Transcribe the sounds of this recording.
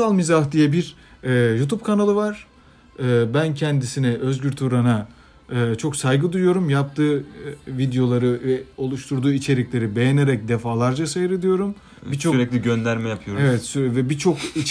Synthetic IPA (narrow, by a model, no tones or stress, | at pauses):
alˠmizahd̪ijɛbiɾ | ɛːjut̪ʰub̚kʰanalˠɯvaɾ̥ | ɯːbæncʰɛnd̪isinɛʔø̞zɟyɾt̪ʰuɾana | ɯːt͡ʃʰo̞ksajɡɯd̪ujujo̞ɾumjap̚t̪ʰɯːvid̪ejo̞lˠaɾɯɛo̞lˠuʃt̪ʰuɾd̪uːit͡ʃʰe̞ɾiclʲe̞ɾibe̞jene̞ɾɛc̚d̪efaːlˠaɾd͡ʒasajɯɾɯd̪ijo̞ɾum | bit͡ʃʰoyɾɛclʲiɟønlʲæɾmɛjapʰɯjoɾevɛt̪syvɛbit͡ʃʰo̞ki